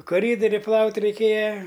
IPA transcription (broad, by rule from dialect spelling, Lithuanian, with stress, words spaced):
koːˈrʲiːdoːrʲɪ ˈplˠɐʊtʲ rʲɛɪˈkʲeːjɛ